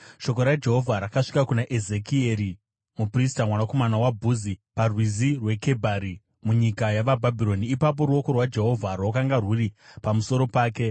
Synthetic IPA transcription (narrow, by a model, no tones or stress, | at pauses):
ʃo̞koɾad͡ʒe̞ɦo̞vʱaɾakaʂi̥kakunaʔezekieɾi | mupristamwanako̞manawabʱuziparwizirwe̞ke̞bʱaɾi | muɲikajaʋabʱabʱiɾo̞niːpap̬o̞ɾuo̞ko̞rwad͡ʒe̞ɦo̞vʱarwakaŋɡarwuripamuso̞ɾo̞paːke̞